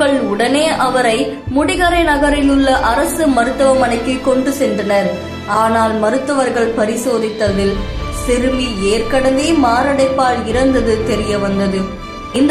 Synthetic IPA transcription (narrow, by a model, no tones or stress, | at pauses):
ɐɭʊɽɐneːʔɐʋɐɾɐɪmʊɽɪɣɐɾɐɪnɐɣɐɾɪnɯɭːɐʔɐɾɐsɯmɐɾɯt̪ːɐʋɐmɐnɐɪkːɪkɔɳɖɯsɛndrɐnɐɾ | aːnaːlmɐɾɯt̪ːɐʋɐɾɣɐɭpɐɾɪsoːðɪt̪ːɐðɪlsɪɾɯmieːɾkɐɽɐnd̪eːmaːɾɐɽɐɪpːaːlɪɾɐnd̪ɐðɯt̪ɛɾɪjɐʋɐnd̪ɐðɯ | ɪnd̪